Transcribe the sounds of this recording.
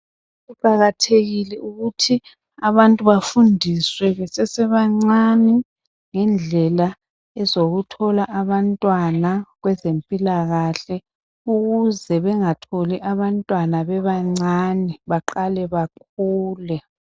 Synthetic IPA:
uǃaɣatʰeɣilɛʔuɣutʰi | aβantʼuβafundʱiswɛɣɛsɛsɛβaŋ͡ǀanɛ | ŋɛnd͡ɮʱɛla | ɛzoɣutʰɔlaʔaβantʼwanaɣwɛzempʼilaɣaɬɛ | uɣuzɛβɛŋatʰoliʔaβantʼwanaβɛβaŋ͡ǀanɛβaǃalɛβak̚ʰuːlɛ

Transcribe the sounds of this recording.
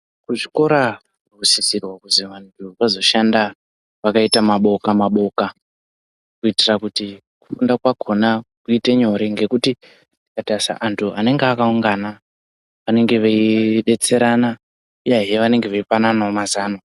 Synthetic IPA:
kuʐiko̞ɾa | rusisirwakuziʋantʰuʋazo̞ʃanda | ʋakaitamaɓo̞kamaɓo̞ka | kuitirakuti | ku̥fundakwaɡʱo̞nakuiteɲo̞ɾiŋɡe̞kuti̥ | ikatasa̰ʔantʰuane̞ŋɡeakauŋɡana | ʋane̞ŋɡe̞ʋeiɗe̞t͡se̞ɾana | ujeɦeʋane̞ŋɡeʋeipananaomazaːno

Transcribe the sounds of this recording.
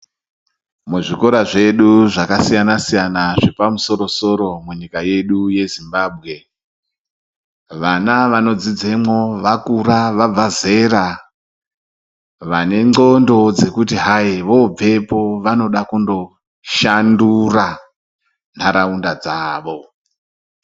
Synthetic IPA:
muʐiko̞ɾaʐe̞ɗuʐakasijanasijanaʐe̞pamuso̞ɾo̞so̞ɾo̞muɲikaje̞ɗuje̞zimbaːb̚ʱɣe̞ | ʋanaʋano̞d͡zid͡ze̞mwo̞ʋakuɾaʋab͡vaze̞ɾa | ʋane̞ŋ͡ǃo̞ndo̞d͡ze̞kutiɦaiʋo̞b͡ve̞po̞ʋano̞ɗakundo̞ | ʃandura | n̤aɾaundad͡zaːʋo̞

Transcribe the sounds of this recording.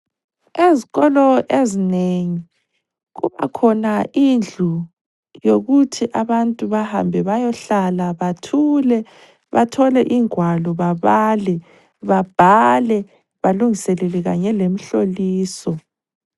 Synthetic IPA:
eziɣɔlɔʔezineŋi | ɣuβa̰kʰɔnaʔind͡ɮʱu | joɣutʰiʔaβantʼuβaha̰mbʱɛβajɔɬalaβatʰulɛ | βa̰tʰɔlɛʔiŋʱwalɔβaβalɛ | βab̥ʱalɛ | βaluŋisɛlɛlɛɣa̰ɲɛlem̩ɬoliːsɔ

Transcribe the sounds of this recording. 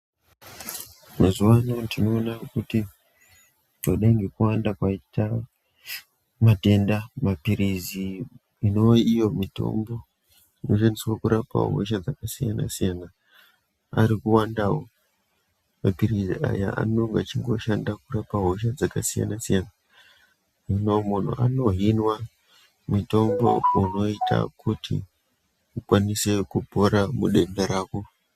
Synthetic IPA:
mazuwano̞ndino̞ːnakuti | toɗaiŋɡe̞kuwandakwaita | mate̞ndamapiɾizi | ino̞ijo̞mito̞̰mbo̞ | ino̞ʃandiswakuɾapa̰ɦo̰ʃ̬ad͡zakasijana̰sijana | aɾikuwandaːwo | aɡʱirizia̰ja̰a̰noŋɡat͡ʃiŋɡo̞ʃandakurapaɦo̞ʃ̬ad͡zakasija̰nasijana | minomun̤ṵʔano̞ɦinwa | mito̞mbo̞̰uno̞itʰa̰kʰutʰḭ | ukwanise̞kupo̞ɾamuɗe̞ndeɾaːko

